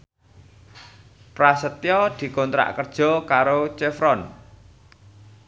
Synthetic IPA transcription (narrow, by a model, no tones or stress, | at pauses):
pɾasət̪jɔd̪̥i̤kɔnt̪ɾa̰ʔkərd̥ʒ̥ɔ̤kaɾot͡ʃefɾɔn